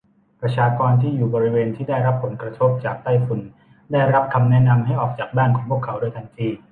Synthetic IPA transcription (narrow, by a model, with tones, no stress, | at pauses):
pɾa˧t͡ɕʰaː˧kɔː˧nt̪ʰiː˥˩juː˨˩bɔː˧ɾi˦˥weː˧nt̪ʰiː˥˩daː˥˩jɾa˦˥pʰːo˩˦nkɾa˧t̪ʰo˦˥p̚t͡ɕaː˨˩k̚t̪aː˥˩jfu˨˩n | daː˥˩jɾa˦˥p̚kʰa˧mnɛ˦˥na˧mɦa˥˩jʔɔː˨˩k̚t͡ɕaː˨˩k̚baː˥˩nkʰɔː˩˦ŋpu˥˩əkʰa˩˦wdu˥˩jt̪ʰaː˧ŋt͡ɕ̪ʰiː˧˩